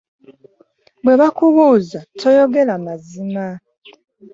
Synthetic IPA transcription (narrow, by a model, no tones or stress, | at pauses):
bweβakuɣuːzatʰojoɡelamazima